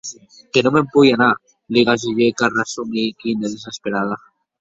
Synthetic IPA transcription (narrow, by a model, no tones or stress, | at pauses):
kenomempujana | liɣaʒuʎekarasumikind̪eðes̬espeɾaða